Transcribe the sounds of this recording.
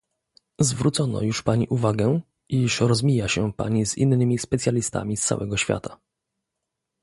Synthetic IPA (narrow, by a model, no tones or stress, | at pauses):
zvɾut̪sɔnɔ̰juʂpaɲḭʔuvaɡɛ | ʔiʂɾɔzmʲijaɕɛpa̰ɲizḭnːɘmʲispɛt̪sʲjalʲist̪a̰mʲist̪sa̰wʔɛɡɔɕfʲja̰t̪ḁ